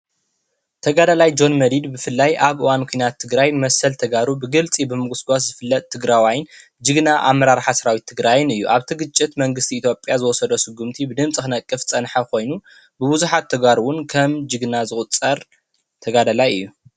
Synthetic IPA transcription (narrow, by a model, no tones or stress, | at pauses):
t̪ʰɐɡad̪alajd͡ʒo̞nmɐɾid̪bɨfɨlːajʔaβʔɨwankʷʰujnat̪ʰːɨɡɾajmɐsɐlt̪ʰɐɡaɾubɨɡɨlt͡sʼibɨmɨɡusɡʷaszɨfɨlːɐt̪̚ʼt̪ʰːɨɡɾawajn | d͡ʒɨɡnaʔa̰mːɐɾaɾħasɐɾawit̪ʰːɨɡɾajɪnɨjːuʔaβt̪ʰɨɡɨt͡ʃʼːɪt̪mɐŋɡɨst̪ʰiːt̪ʰjo̞pʼjazɨwɔsɐd̪osɨɡːumt̪ʰibɨd̪ɨmt͡sʼikɨnɐkʼːɨft͡sʼɐnħɐkʰo̞jnu | bɨbuzuħat̪ʰːɐɡβaɾuwʊnkʰɐmd͡ʒɨɡnazɨxʼɨt͡sʼɐɾ | t̪ʰɐɡad̪alajɨ̰jːu